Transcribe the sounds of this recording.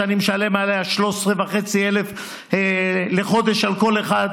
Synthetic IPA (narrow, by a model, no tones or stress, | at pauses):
animʃalemalejaʃlosʁevaχet͡sielef | leχo̞d̪e̞ʃalko̞leχad̪